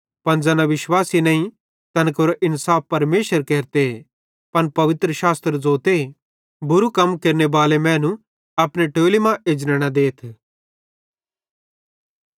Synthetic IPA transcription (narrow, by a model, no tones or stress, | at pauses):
pɐnd͡zɐːnaʋɪʃwaːsinɐ̃ːĩ | t̪ɐnkoɾʔɪnsaːfpːɐɾmeːʃəɾkeːɾt̪e | pɐnpɐʋɪt̪ɾəʃaːst̪ɾəd͡zoːt̪e | bʊɾukɐmkeːɾnebaːlemɛ̃ːnũ | ɐpɽ̃eʈoːlimãʔed͡ʒnəɽ̃ad̪eːt̪ʰ